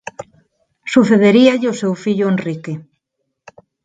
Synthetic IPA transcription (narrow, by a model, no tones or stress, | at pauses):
suθeðeɾiaʎɪosewfiʎʊenrike